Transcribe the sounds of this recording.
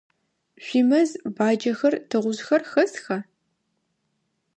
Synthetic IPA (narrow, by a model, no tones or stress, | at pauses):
ɕʷimɐzbaːd͡ʒɐxɐrtʰɨʁʷʊzxɐrxɐsxɐ